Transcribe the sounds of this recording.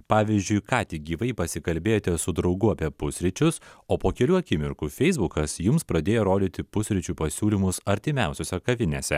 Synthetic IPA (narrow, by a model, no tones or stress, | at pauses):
pɑːʋʲiːzʲd͡ʒʲʊɪkɑːt̪ʲɪɡʲiːʋɐɪpɐsʲɪkɐlʲbʲeːjoːt̪ʲɛsʊd̪ɾɐʊɡʊɐpʲiɛpʊsʲɾʲɪt͡ʃʲʊsoːpoːkʲɛlʲuːɐkʲɪmʲɪɾkuːfʲɛɪzbʊkɐsjʊmspɾɐd̪ʲeːjoɾoːd̪ʲɪt̪ʲɪpʊsʲɾʲɪt͡ʃʲuːpɐsʲuːlʲɪmʊsɐɾʲt̪ʲɪmʲæˑʊsʲoːsʲɛkɐʋʲɪnʲesʲɛ